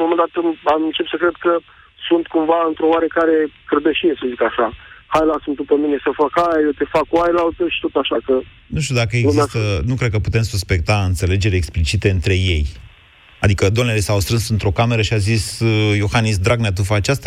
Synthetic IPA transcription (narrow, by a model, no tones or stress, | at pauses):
momend̪at̪ɨmamɨnt͡ʃept̪səkɾe̞d̪kə | sunt̪kumvaɨnt̪ɾooaɾekaɾekɾed̪eʃiesəzikaʃahajlasund̪upəmine̞səfakajajewt̪e̞fakuajlalt̪əʃi̥t̪ot̪aʃakə | nuʃt̪iud̪akəeɡnumeast̪ənukɾe̞d̪̚kəput̪e̞msuspe̞k̚t̪aɨnt̪se̞le̞d͡ʒe̞ɾʲeksplit͡ʃit̪eɨnt̪ɾe̞je̞j | ad̪ikəd̪omnelesawst̪ɾɨnsɨnt̪ɾo̞kame̞ɾəʃiazisjo̞xanisd̪ɾaɡnat̪̬ufat͡ʃast̪a